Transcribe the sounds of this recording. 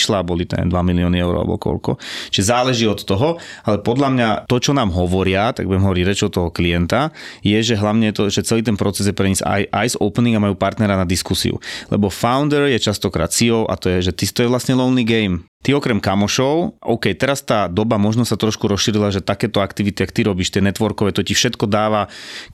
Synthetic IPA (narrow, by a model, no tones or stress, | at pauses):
ʃlabɔlit̪ɛ̰ːd̪ʋamiliɔːniɛʊɾa̰lbɔ̰kɔ̰lkɔ̰t͡ʃiʒɛzaːlɛʒiːɔt̪ːɔɦɔalɛpɔd̪lamɲat̪ɔt͡ʃɔnaːmɦɔʋɔɾɪat̪aɡ̚bujɛmɦɔʋɔɾiɟɾɛt͡ʃɔt̪ːɔɦɔkliɛnt̪ajɛʒɛɦlaʊɲɛjɛt̪ɔʒɛt͡sɛliːt̪ɛnpɾɔt͡sɛzjɛpɾɛɲiza̰jʔajzɔ̰ʊpniŋamajuːpaɾt̪nɛɾanad̪iskusḭṵlɛ̰bɔfaʊnd̪ɛɾjɛt͡ʃast̪ɔkɾa̰ːt̪siɔʊʔa̰t̪ɔjɛʒɛt̪it̪ɔjɛʋlasɲɛlɔʊnːiɡɛjmt̪iɔkɾɛmkamɔʃɔʊʔɔ̰ʊkɛjt̪ɛɾast̪aːd̪ɔbamɔʒnɔsat̪ɾɔʃkuɾɔsʃiːɾilaʒɛt̪akɛːt̪ɔakt̪iʋit̪iakt̪iɾɔbiːʃt̪ɪɛnɛt̪ʋɔɾkɔʋɛːt̪ɔcifʃɛt̪kɔd̪aːʋa